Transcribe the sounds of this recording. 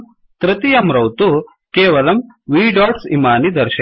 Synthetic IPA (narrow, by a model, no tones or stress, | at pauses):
t̪ɾɐt̪ijɐmɾɐwt̪u | keːʋɐlɐm | ʋiːɖaːʈsimaːnid̪ɐɾʃɐ